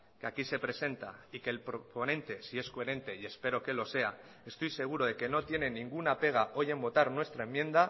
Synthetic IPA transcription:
keakise̞pɾe̞se̞nt̪aike̞lpɾoponẽ̞nt̪e̞sie̞skoe̞ɾẽ̞nt̪e̞ie̞spe̞ɾo̞ke̞lo̞se̞a | e̞st̪o̞jse̞ɣ̞uɾoð̞e̞ke̞no̞t̪je̞ne̞nĩŋɡunape̞ɣ̞ao̞je̞mbo̞t̪aɾnwe̞st̪ɾaemːjẽ̞nd̪a

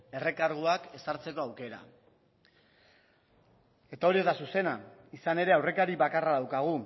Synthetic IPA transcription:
e̞re̞kaɾɣ̞uake̞saɾt͡se̞ko̞awke̞ɾa̰ | e̞t̪ao̞ɾie̞zd̪asuse̞naisane̞ɾe̞awre̞kaɾiβakaraðawkaɣ̞u

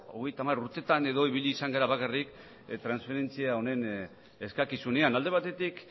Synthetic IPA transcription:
o̞ɣ̞e̞jt̪amaɾuɾt̪e̞t̪ane̞ðo̞iβ̞iʎiːsaŋɡaɾaβakarik | t̪ɾansfe̞ɾe̞nt͡siao̞ne̞n | e̞skakisune̞anald̪e̞β̞at̪e̞t̪ik

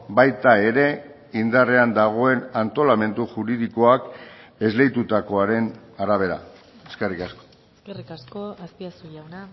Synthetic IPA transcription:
bajt̪ae̞ɾe̞ | ind̪are̞and̪aɣ̞o̞e̞nant̪o̞lame̞nt̪uʝuɾiðiko̞ake̞zle̞jt̪ut̪ako̞aɾe̞naɾaβ̞e̞ɾa̰ | eskerikasko̥ | skerikaskoaspiasuʎawna

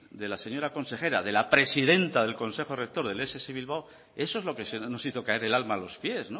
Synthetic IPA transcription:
d̪e̞lase̞ɲo̞ɾako̞nse̞xe̞ɾaðe̞lapɾe̞siðe̞nt̪aðe̞lko̞nse̞xorek̚t̪oɾðe̞leseseβilβ̞aw | e̞soe̞zlo̞kesno̞siθo̞kae̞ɾe̞lalmaːlo̞spje̞zno

